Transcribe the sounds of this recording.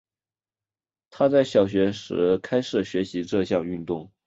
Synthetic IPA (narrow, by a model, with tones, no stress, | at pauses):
t̪ʰa˥t͡sa˥˩ɪɕjɑ˨˩ʊɕ̬ɥɛ˧˥ʂɻ̩̰˧˥kʰa˥ɪʂɻ̩˨˩ɕɥɛ˧˥ɕi˧˥ʈ͡ʂɤ˥˧ɕ̬jɑ˥˧ŋy˥˧nt̪ʊ˥˩ŋ